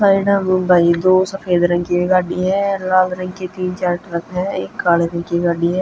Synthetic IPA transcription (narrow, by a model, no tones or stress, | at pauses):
saːiɖəmbʱaːid̪oːsəfʰeːd̪ɾə̃ŋɡkiɡaːɖiɦɛ̃laːlɾə̃ŋɡket̪iːnt͡ʃaːɾʈɾəkɦɛ̃ːɪ̰kːaːleɾə̃ŋkiɡaːɖiɦɛ̃ː